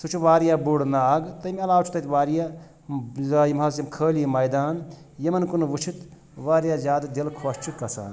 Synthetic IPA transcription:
sut͡ʃʰuʋaːɾijaːbuɽnaaːɡt̪ɐmʲɐlaːwt͡ʃʰu̥t̪ɐt̪ʲʋaːɾijaː | zajimɦaːs̬imkʰəːlimɐjd̪aːn | jɐmɐnkunʋut͡ʃʰit̪ | ʋaːɾjaːzʲaːd̪d̪ilkʰoːst͡ʃʰukɐsa̰ːn

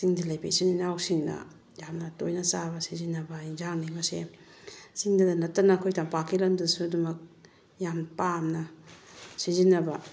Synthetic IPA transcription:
siŋdilɐjpḭsininawsiŋdɐ̰ | jamnɐtojnɐsabɐsizinːɐbɐinzaŋnimɐsḛ | siŋdɐdɐnɐtːɐnɐːkʰojtɐmpakʰilɐndɐsudɐmɐk̚ | jampamnɐ | sizinːɐbɐ

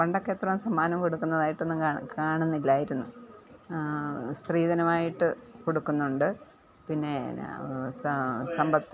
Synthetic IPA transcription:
pɐɳɖɐkːeːt̪rɐmsɐmːaːnɐmkoɽukːunːɐðaːjiʈːonːɨkaːɳunːilːaːjiɾunːu | st̪riːðɐnɐmaːjiʈːɨkoɽukːunːuɳɖɨ | pinːe̞ | sɐmbʱɐt̪ː

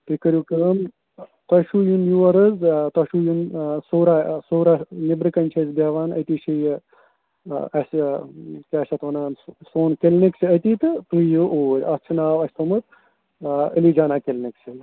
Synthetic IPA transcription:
t̪ikɐɾʲjukəm | t̪ɐʃujunjuʋɐɾɨzt̪ɐʃujunsoːɾasoːɾanibɾɨkɐnʲt͡ʃʰɐzbaːʋaːnɐ̰t̪iʃʰij | ɐs | kʲeːʃɐt̪ʋɐnaːnsoːnkelnikt͡ʃʰɨɐt̪iːt̪ɨt̪ɨjɨʔoːɾʲɐst͡ʃʰɨnaːʋɐsʲt̪omɨt̪ | ə̰lid͡ʒaːnaːkelnikt͡ʃʰɨ

